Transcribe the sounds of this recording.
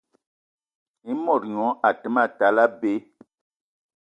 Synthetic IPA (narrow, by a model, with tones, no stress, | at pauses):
i˦mɔ˨ɾɲɔ̃˨˦a˨tə˨˦ma˦˨ta˨˦la˦be˦